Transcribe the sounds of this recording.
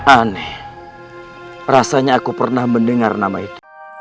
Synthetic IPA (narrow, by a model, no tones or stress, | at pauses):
aneh | rasaɲaːkupərnahməndəŋarnamait̪u̥